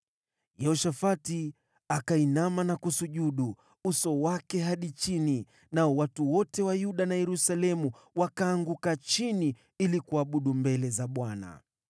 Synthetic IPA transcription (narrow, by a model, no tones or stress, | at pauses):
jɛɔʃafati | akainamanakusuʄuɗu | usɔwakɛɦaɗit͡ʃini | naɔwatuwɔtɛwajuɗanajɛɾusalɛmu | wakaːŋɡukat͡ʃini | ilikuaɓuɗumbɛlɛzaɓwana̰